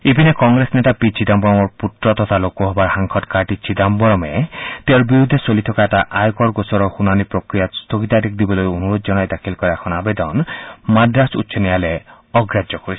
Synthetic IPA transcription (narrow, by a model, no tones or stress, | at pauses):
ebinekɔŋɡɾesnet̪apit͡ʃid̪ambɔɾɔmɔɾput̪ɾɔt̪ɔt̪ʰalokɔɦɔbaɾhaŋkʰɔʈkaɾʈit͡ʃidambɔɾɔmet̪eɔɾbiɾud̪ʱesolit̪ʰɔkaetaʔajkɔɾɡosɔɾɔhunanipɾokɾijast̪ʰoɡit̪aɾek̚d̪ibɔlojonuɾod̪ɔd͡ʒɔñajd̪akʰilkɔɾɛkʰɔnɔabed̪ɔnmadɾasutːʃʰɔniale | ɔɡɾad͡ʒjɔkɔɾi̥